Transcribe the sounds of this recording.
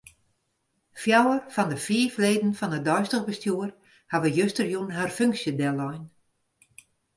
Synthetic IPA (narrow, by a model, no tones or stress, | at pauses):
fjawərfɔndəfiːfleːdn̩fɔnədɔjstəɣbəstjuːər | haʋəjøstərjunɦarføŋksjədɛlɔjn